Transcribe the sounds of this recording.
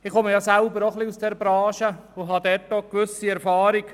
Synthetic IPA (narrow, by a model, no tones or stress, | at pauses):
ɪχɔməjɑsælbəɾoχliusd̥ɛɾbɾɑːʃəʊɦɑd̪ɛɾtːokʋʏsiɛɾfɑːɾik